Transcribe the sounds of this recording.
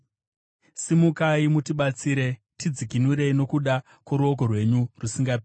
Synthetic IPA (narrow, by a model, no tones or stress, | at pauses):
simukaimutiɓat͡siːɾe̞ | tid͡zikinuɾe̞ino̞kuɗa | kwoɾuok̬o̞rwe̞ɲurusiŋɡapː